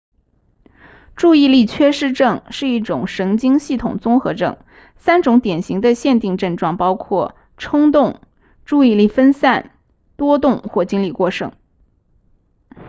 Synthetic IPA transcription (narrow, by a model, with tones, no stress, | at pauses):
ʈ͡ʂu˥˧i˥˧li˥˩t͡ɕʰɥɛ˥ʂɻ̩˥˧ʈ͡ʂɤ˥˧ŋʂɻ̩˥˧i˥˩ʈ͡ʂʊ̰˨˩ŋʂɤ˧˥ŋt͡ɕi˥ŋɕi˥˩t̪ʰʊ̰˨˩ŋt͡sʊ˥ŋxɤ˧˥ʈ͡ʂɤ̰˥˩ŋ | sa˥nʈ͡ʂʊ˧˥ŋt̪jɛ˨˩nɕi˧˥ŋd̪ə˧ɕjɛ˥˧nt̪i˥˧ŋʈ͡ʂɤ˥˧ŋʈ͡ʂwɑ˥˩ŋpɑ˥ʊkʰwɔ˥˩ | ʈ͡ʂʰɤ˥ŋt̪̬ʊ˥˧ŋ | ʈ͡ʂu˥˧i˥˧li˥˩fə˥nsa˥˩n | t̪wɔ˥t̪ʊ˥˧ŋxwɔ˥˩t͡ɕi˥ŋli˥˧kwɔ˥˩ʂɤ̰˥˩ŋ